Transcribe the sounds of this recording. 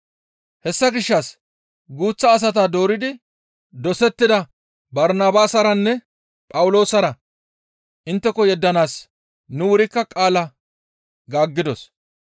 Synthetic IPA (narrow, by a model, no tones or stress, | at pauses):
hɛsːɐɡɪʃːɐs | ɡuːt͡sːɐːs̬ɐt̪ad̪o̞ːɾɪd̪ɪ | d̪ɔsɛt̪ːɪd̪ɐ | bɐɾnaːbaːsɐɾɐnːɛ | pʼɐwʊlo̞ːsɐɾɐ | ʔɪnt̪ːɛkɔjɛd̪ːɐnaːs | nʊwʊɾɪkːɐkʼaːlɐ | ɡaːɡːɪd̪ɔs